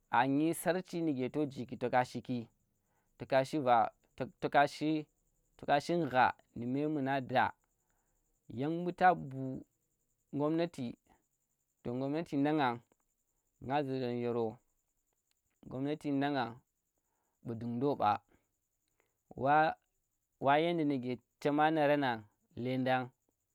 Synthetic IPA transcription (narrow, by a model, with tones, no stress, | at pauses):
a˨ɲi˦sa˦ɾt͡ʃi˦ni˨ɡe˨to˦d͡ʒi˨k̬i˨to˨ka˦ʃi˦ki˦ | to˨ka˦ʃi˦va˨ | to˦ka˦ʃi˦ | to˨ka˦ʃi˦n˨ɣa̰˨ | ni˨me˦mu˨na˦da̰˨ | ja˦ŋ˦bu˦ta˦bu˨ | ŋɡo˦mna˦ti˨ | to˨ŋɡo˦mna˦ti˨nda˦ŋa˨ŋ | ŋɡa˦zu˨do˨nje˨ɾo˨ | ŋɡo̰˦mna˦ti˨nda˦ŋa˨ŋ | ɓu˨du˨ŋdo˦ɓa̰˨ | wa˦ | wʔa˦je˦ndi˨ni˨ɡe˨t͡ʃe˦ma˦na˨ɾa˦na˨ŋ | le˦nda˦ŋ